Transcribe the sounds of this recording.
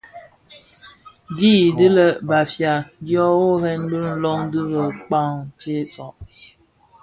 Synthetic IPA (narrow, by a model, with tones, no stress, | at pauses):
ɡi˦˨dɨ˦lə˦ba˨fja˨di˦ɔ˦wo˦ɦɛ˦nbə˦n̩˦lɔ˦ŋdɨ˦ɾə˨k͡pa˦ŋt͡ʃe˦sɔ˨